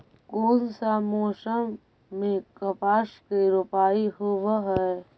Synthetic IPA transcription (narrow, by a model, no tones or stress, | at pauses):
koːnsamoːsəmː | ẽkɐpaːʃkiɾʊpaːiɦʊʋɦɛe